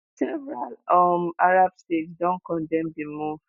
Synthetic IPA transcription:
sɛvɹalɔmaɾab̥stetdɔ̃nkɔ̃ndɛ̃mdimũ

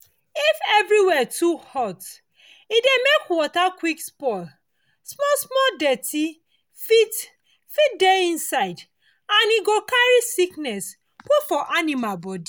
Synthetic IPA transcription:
ifɛvɹiwɛtʰuhɔt | idemekwɔtakwikspɔl | smɔsmɔdɛtʰi | fit | fit̚deĩnsaɪd | ãniɡokaɹisiknɛs | pufɔʔanimalbɔdi

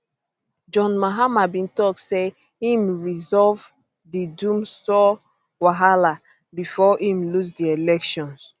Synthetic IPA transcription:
d͡ʒɔ̃nmaɦamabĩntɔk̚se | hĩmɹizɔv | didũmsɔ | waɦala | bifɔʔĩmlus̬dielɛkʃɔ̃ns

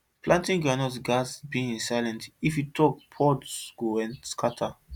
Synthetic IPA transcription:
plãntĩŋkãnɔtɡasbĩĩnsajlɛ̃ntifjutʰɔk̚pʰɔdsɡ̥oɛ̃nskatʰa

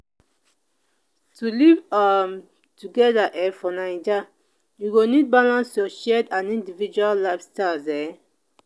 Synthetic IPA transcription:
tʰulivam | tuɡɛdaʔɛfɔnãĩd͡ʒa | juɡonid̚balãnsjɔʃɛdãnĩndivid͡ʒuallabstazɛ

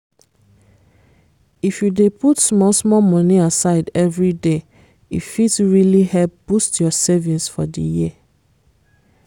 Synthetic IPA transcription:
ifjudeputsmɔlsmɔmɔ̃niasaɪdɛvɹide | ḭfitɹilihɛlp̚b̥ustjɔsɛvĩnsfɔdḭji

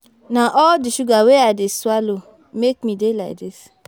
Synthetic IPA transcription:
naʔɔldiʃuɡaweadeswalo | mek̚midela̰ɪk̚dɪs

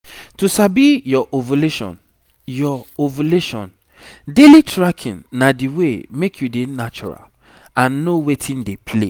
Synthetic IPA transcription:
tusabijɔʔovuleʃɔ̰̃n | jɔovuleʃɔ̰̃n | delitɹakʰḭ̃nːadiwemekʰjudenat͡ʃɔ̰ɹa̰l | ãnːowetʰĩndepʰlḛ

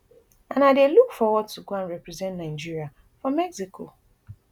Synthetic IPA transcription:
ãnadelukfɔwɔd̚tuɡʷãnɹɛpɾɛzɛ̃ntnãɪd͡ʒiɾia | fɹɔ̃mɛksikʰo̰

